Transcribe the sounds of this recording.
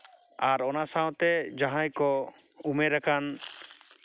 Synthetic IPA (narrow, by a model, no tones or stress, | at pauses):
aɾɔnasaw̃t̪ɛd͡ʒaɦãjkɔ | umɛɾakʰan